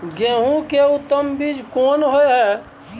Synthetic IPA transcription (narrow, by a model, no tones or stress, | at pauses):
ɡeːɦũkeut̪ːəmbid͡ʒʱkoːnɦoeɦɛ